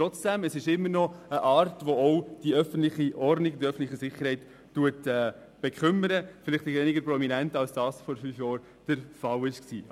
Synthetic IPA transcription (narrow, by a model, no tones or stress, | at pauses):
ɾɔt͡sd̥ɛməsɪʃɪmːəɾnɔəʔɑːɾtʋoɔʊd̥iœfən̩tlɪχiʔɔrdnɪɡdiœfən̩tlɪχisɪχːəɾhɛɪtː | uətɛː | b̥ɛkʰʏməɾəfɪlɪχtɛʋɛnɪɡəɾpɾɔminɛntɑlsd̥ɑːsfɔɾfyːfjɑːɾ | d̥əɾfɑlɪʃksḭː